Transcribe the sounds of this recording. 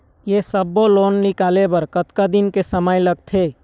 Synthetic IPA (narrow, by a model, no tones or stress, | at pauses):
jesəbːoloːnːɪkaːlebəɾkət̪kad̪ɪnkesəmaːjlɐɡ̚t̪ʰeː